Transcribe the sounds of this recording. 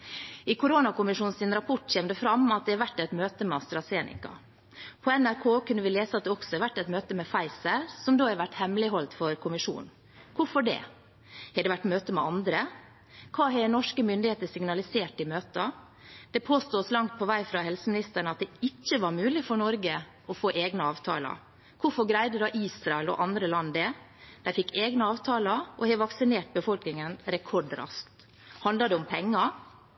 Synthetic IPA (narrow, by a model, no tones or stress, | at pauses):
ɪkʊɾoːnɑkʊmɪʂuːnsɪnɾɑpʰɔʈçɛːmd̪əfɾɑmɑt̪̚d̪ɛhɛɾʋæʈːɛt̪møːt̪əmɛɑst̪ɾɑseːnɪ̰kɑ̰ | pʰɔɛnæɾkʰoːkʉnːəʋɪleːsəɑt̪̚d̪ɛɔksɔhɛɾʋæʈːɛt̪møːt̪əmɛfɑɪsəɾsɔmd̪oːhɛɾʋæʈːhɛmlɪɦɔlt̪fɔɾkʰʊmɪʂṵːn | kʰʊfɔɖɛ̰ | hɛd̪ɛʋæʈːmøːt̪əmɛ̰ʔɑnd̪ɾə | kʰɑːɦɛnɔʂkəmʏnd̪ɪeːt̪əsɪŋnɑlɪseːʈɪmøːt̪ə | d̪̥ɛpʰoːst̪uːslɑŋt̪̚pʰɔʋæɪfɾɑhɛlsəmɪnɪst̪əɳəɑt̪̚d̪ɛɪc͡çːəʋɑɾmʉːlɪfɔɳɔɾɡə | ɔfoːʔeːɡnəɑːʋt̪ʰɑ̰ːlɑ̰ | kʰʊfɔɾɡɾæɪd̪əd̪ɑʔiːsɾɑɛlɔ̰ʔɑnd̪ɾəlɑnːd̪ɛ | d̪̥æɪfɪkːeːɡnəɑːʋt̪ʰɑːlɑʔɔhɛʋɑksɪneːʈ̚bəfɔlknɪŋənɾɛkʰɔɖɾɑ̰skt̪ | hɑnd̪lɑd̪ɛʊmpʰɛŋːɑ